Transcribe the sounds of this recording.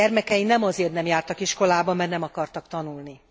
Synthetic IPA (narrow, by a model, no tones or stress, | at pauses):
ɛrmɛkɛinɛmɒzeːrt̪nɛmjaːrt̪ɒkiʃko̞laːbɒmɛrnɛmɒkɒrt̪ɒkt̪ɒnulni